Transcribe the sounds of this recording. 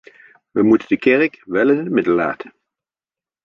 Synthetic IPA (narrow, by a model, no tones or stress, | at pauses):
ʋəmutəndəkɛrəkʋɛlɪnəmɪdəlˠːa̰ːtʰə̥n